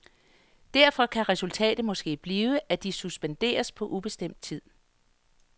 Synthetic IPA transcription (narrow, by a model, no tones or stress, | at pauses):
d̥æɐ̰fɒ̽kʰæʁɛsult͡sʰɛ̰ːd̥ð̩ˠmɒ̽sɡ̥e̝̰ːb̥liːʊəʔæd̥isusb̥end̥e̝̰ːɐspʰɒ̽ʔub̥e̝sd̥em̰d̥̚t͡sʰið̰ˠ